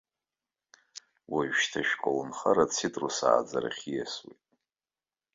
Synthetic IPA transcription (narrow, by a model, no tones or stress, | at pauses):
waʒʃtʰaʃᶣqʼawnχaɾat͡sʰitʼrosa̰ːd͡zaɾaχʲijaswejtʼ